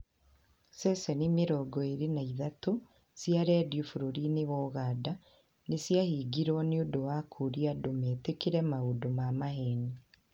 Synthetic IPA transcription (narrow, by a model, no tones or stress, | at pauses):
sɛsɛnimeɾɔɡɔeɾenaiðato | sjaɾɛdiufuɾoɾinewɔɣada | nesjahiːɡiɾwɔneodowakʰuɾiadomeːtekiɾɛmaodomamaɦeːni